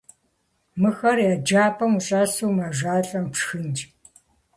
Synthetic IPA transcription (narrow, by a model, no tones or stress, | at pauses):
mɨxɐrjaːd͡ʒaːpʼɐmuɕʼaːsuːmaʒʷaːɬʼɐmpʂxɨnd͡ʒ